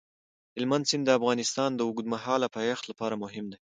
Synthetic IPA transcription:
hɪlmand̪sɪnd̪əafɣɑnɪst̪ɑnd̪əʊɡd̪maɦɑlapɑjɑxt̪lapɑɾamʊɦɪmd̪e

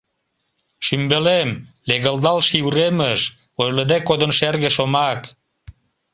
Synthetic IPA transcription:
ʃymbelemleɣəld̪ɑlʃiuɾeməʃ | ojləd̪ekod̪ə̆nʃerɣeʃomɑk

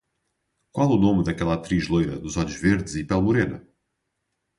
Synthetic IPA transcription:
kwalˠɛunomd̪ɐkɛlˠat̪ɾiʒlˠojɾɐ̰d̪uzɔʎuʒveɾðɨzipɛlˠmuɾenɐ̰

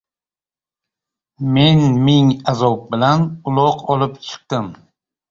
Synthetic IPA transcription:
me̞nmɪŋazɒp̚bɪlanʊlˠɒqʰɒlˠɪpt͡ʃʰɨ̥q̚t̪ɪm

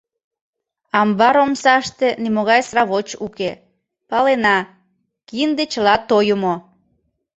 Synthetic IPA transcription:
ɑmbɑɾomsɑʃt̪enimoɣɑjsrɑβot͡ɕuke | pɑlenɑ | kiənd̪et͡ɕəlɑt̪ojumo

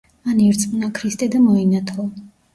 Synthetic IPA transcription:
aniɾt̪sʼmʼnakʰɾist̪ʼɛd̪amɔinat̪ʰlˠɔ

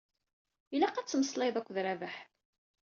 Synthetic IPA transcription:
ilæqæt͡sːməsˤlɑjðˤækʷːðɾævəħ

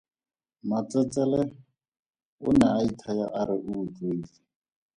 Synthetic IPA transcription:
mat͡sʼɛt͡sʼɛlɛ | ʊ̰naaitʰajaʔaɾɪʔuːtʼweːt͡si

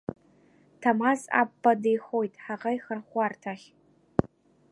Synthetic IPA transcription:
tʰamasa̰pːadejχojtʼħaʁajχərχʷartʰaχʲ

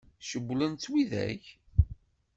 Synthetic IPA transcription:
ʃəbːlənt͡s̪ːwiðæ̰ç

